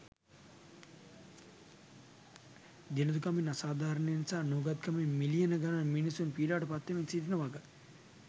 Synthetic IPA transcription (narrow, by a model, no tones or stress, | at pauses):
d̪inɐd̪ukɐminɐsaːd̪ʱaːɾɐnenisaːnuːɡɐt̪̚kɐmemilijɐnɐɡɐnaminisunpiːlaːʈɐpat̪ːeminsid̪inɐʋaɡɐ